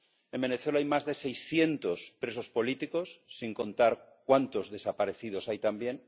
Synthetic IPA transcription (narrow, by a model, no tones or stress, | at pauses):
e̞mbe̞neθwe̞laajmazðe̞se̞jsθje̞nt̪o̞spɾe̞so̞spo̞lit̪iko̞sːiŋko̞nt̪aɾkwant̪o̞zðe̞sapaɾe̞θið̞o̞sajt̪ambje̞n